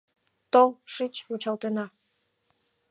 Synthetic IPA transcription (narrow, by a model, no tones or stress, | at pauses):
t̪olˠʂɨt͡ɕut͡ɕɑlˠt̪enɑ